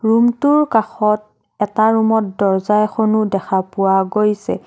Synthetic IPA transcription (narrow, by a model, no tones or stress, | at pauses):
ɹumtʊɹkaxɔt̚ | ɛtaɹumɔt̚dɔɹzajxonudɛxʰapʊwaɡojsɛ̰